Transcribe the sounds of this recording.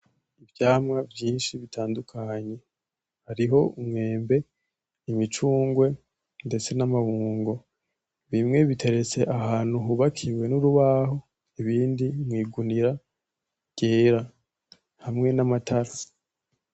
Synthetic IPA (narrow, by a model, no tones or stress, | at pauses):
ivjaːmŋavjiːnʃiβitʰaːndukʰaɲe̞ | haɾiɦo̞umŋe̞ːmbe̞ | imit͡ʃuːŋɡwe̞ | nde̞t͡se̞namahuːŋɡo̞ | βimŋe̞βitʰe̞ɾe̞t͡se̞ʔaɦaːn̥huɦuβakʰiwe̞nuɾuβaːɦo̞ | iβiːndimŋiːɡuniɾa | ɟ̥eːɾa | hamŋe̞namatʰaɾa